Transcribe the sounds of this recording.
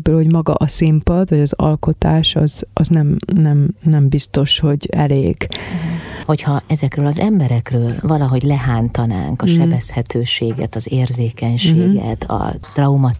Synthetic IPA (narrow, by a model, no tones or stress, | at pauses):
bøːlho̞ɟmɒɡɒ̰ʔɒsimpɒd̪vɒɟɒzɒ̰lko̞t̪aːʃɒz̥ɒznɛmnɛmnɛmbist̪o̞ʃho̞ɟɛlḛːɡ | ho̞chɒɛzɛkrøːlɒzɛmbɛɾɛkrøːlvɒlɒɦo̞ɟlɛɦaːnt̪ɒna̰ːŋkɒʃɛbɛshɛt̪øːʃeːɡɛ̰t̪ɒzeːrzeːkɛɲʃeːɡɛ̰t̪ʰɒ̰t̪rɒumɒ